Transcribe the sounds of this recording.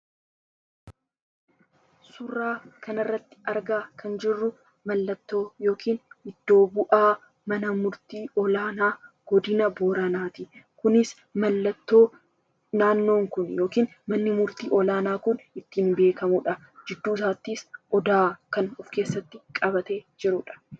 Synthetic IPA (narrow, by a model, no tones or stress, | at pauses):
sʊrːaːkɐnɐrːɐt̪ːɪ̥ɐɾɡaːkʰɐnd͡ʒɪrːʊ | mɐlːɐt̪ːo̞ːjo̞ːkʰiːnɪd̪̥ːo̞ːbʊʔaː | mɐnɐmʊɾt̪iːʔɔlaːnaːɡ̥ɔd̪ɪnɐboːɾanaːt̪ɪkʊnɪs | mɐlːɐt̪ːo̞ː | naːnːo̞ːŋkʊnjo̞ːkiːn | mɐnːɪmʊɾt̪iːʔɔlaːnaːkʊnɪt̪ːiːnbe̞ːkɐmʊᶑɐ | d͡ʒɪd̪ːuːs̬aːt̪ːiːsʔɔd̪aːkɐnɔfke̞ːsːɐt̪ːɪkʼɐbɐt̪e̞ːd͡ʒɪɾʊᶑɐ̥